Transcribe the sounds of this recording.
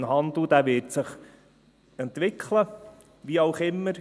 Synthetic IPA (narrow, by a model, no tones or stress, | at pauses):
nɦɑnd̪l̩d̥̪æːʋɪːtsəχ | ɛnt̪ʋɪkχlə | ʋiɑʊχɪmːəɾ